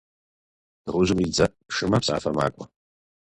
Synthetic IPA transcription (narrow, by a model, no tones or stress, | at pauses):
d̥ʁʊʒɨmid͡zɐʔ | ʂɨmɐpsʼa̰ːfɐma̰ːkʷʼɔ